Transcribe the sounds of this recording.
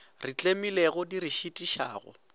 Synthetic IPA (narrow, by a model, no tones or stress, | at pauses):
rit͡ɬʼemileɣʊdiɾiʃitʼiʃa̰ːɣʊ̰